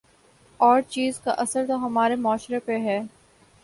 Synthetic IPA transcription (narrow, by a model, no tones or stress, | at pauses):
ɔːɾt͡ʃiːzkaʔɐsəɾt̪oɦɐmaːɾemaːʃɾepeɦɛː